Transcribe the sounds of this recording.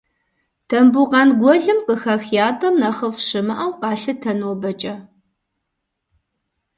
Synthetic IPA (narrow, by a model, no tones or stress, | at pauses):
tʰɐmbuqɑnɡʷɔɮɨmqəxɐxjaːtʰʼɐmnɐχəfʃɨmɐʔɐwqɑːɬɨtʰɐnoːbɐt͡ʃʼɐ